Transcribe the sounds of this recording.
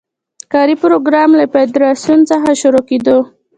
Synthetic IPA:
kɑɾipɾoɡɾɑmlafed̪ɾɑsjunt͡səxaʃʊɾoked̪o

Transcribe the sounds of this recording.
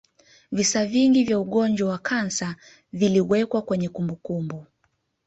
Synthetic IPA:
visaviŋɡivjauɠɔnd͡ʒwawakʰansa | viliwɛkwakwɛɲɛkumbukumbu

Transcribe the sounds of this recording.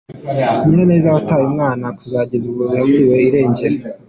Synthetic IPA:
meɾane̞ːzawataːjumŋaːnakuzaːɟezuβoβihaɡuɾiwe̞iɾe̞ːɲɟe̞ɾe

